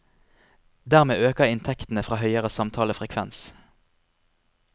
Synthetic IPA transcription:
d̪æːʁmeːʔøːkəʁɪnt̪ʰɛkt̪n̩əfʁɑːhœʏəʁəsɑmt̪ʰɑːləfʁɛkʰʋɛ̰ns

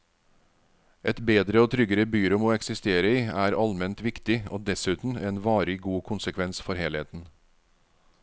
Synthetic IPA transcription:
ʔɛt̪beːd̪ɾəoːt̪ʰɾʏɡəɾəbyːɾʊmoːɛksɪst̪eːɾəiːæːɾɑlmɛnt̪ʋɪkt̪ɪʔoːd̪ɛsʉːt̪n̩eːnʋɑːɾəɡuːkʰʊnsəkʰʋɛnsfɔɾheːlhḛːt̪n̩

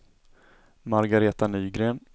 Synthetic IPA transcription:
maɾɡaɾeːt̪anyːɡɾeːn

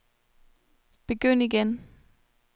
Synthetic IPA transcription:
b̥e̝ɡ̥øn̰iɡ̥en

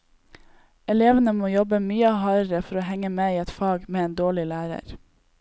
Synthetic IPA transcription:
ɛleːʋənəmoːjɔbəmyːəhɑːɾəɾəfɔɾoːhɛŋəmeːiːɛt̪fɑːɡmeːeːnd̪oːɭɪlæːɾə̰ɾ

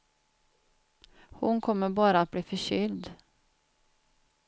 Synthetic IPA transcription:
hʊnkʰɔməbɑːɾəat̪̚bliːfœʃʏld̪

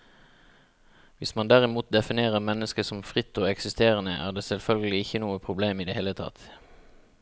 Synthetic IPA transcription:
ʋɪsmɑnd̪æʁɪmuːt̪̚d̪ɛfɪneːʁəʁmɛnːəskəsɔmfʁɪt̪ːoːɛksɪst̪eːʁənəʔæ̰ːʁd̪eːsɛlfœlɡəlɪɪçənuːəpʰʁʊbleːmiːd̪eːheːlət̪ʰɑ̰t̪

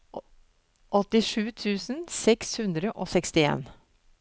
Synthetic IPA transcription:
ʔɔt̪ɪʂʉːt̪ʰʉːsn̩sɛkshʉnd̪ɾəʔoːsɛkst̪ɪḛːn

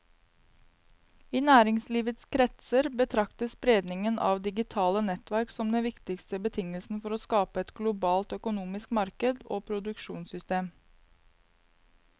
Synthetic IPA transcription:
iːnæːɾɪŋsliːʋət̪skʰɾɛt̪səɾbət̪ʰɾɑkt̪əspɾeːd̪nɪŋənʔɑ̰ːʋd̪ɪɡɪt̪ʰɑːlənɛt̪ʋæɾksɔmd̪ɛnʋɪkt̪ɪkst̪əbət̪ʰɪŋəlsn̩fɔɾoːskɑːpəɛt̪ɡlʊbɑːlt̪œkʊnuːmɪskmɑɾkəd̪oːpʰɾʊd̪ʉkʃuːnsʏst̪eːm

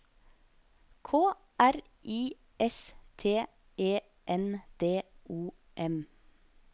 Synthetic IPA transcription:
kʰoː | ʔæɾ | ʔiː | ʔɛst̪ʰeː | ʔeː | ʔɛnd̪̥eːʔuː | ʔɛm

